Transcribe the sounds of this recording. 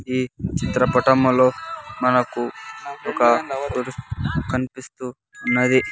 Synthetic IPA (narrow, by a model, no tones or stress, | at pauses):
iːt͡ʃit̪ɾɐpɐʈɐmulo̞ːmɐnɐkuɔkɐkuɾukɐnipist̪uː | nːɐd̪i